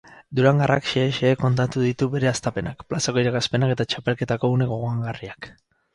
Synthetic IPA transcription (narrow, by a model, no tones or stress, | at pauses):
d̪uɾaŋɡara̰kʃeːʃeːko̞nt̪at̪uðit̪uβe̞ɾe̞ast̪ape̞nakplasako̞iɾakaspe̞nake̞t̪at͡ʃape̞lke̞t̪ako̞une̞ɣo̞ɣoaŋɡariak